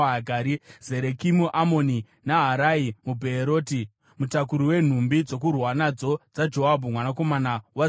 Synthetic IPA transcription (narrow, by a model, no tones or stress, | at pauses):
ɡʱaːɾize̞ɾekimuʔamo̞ni | naɦaɾaimubʱeːɾo̞ːti | mutakuɾiwe̞n̤umbid͡zo̞k̬urwanad͡zo̞d͡zad͡ʒo̞ɦabʱumwanako̞manawa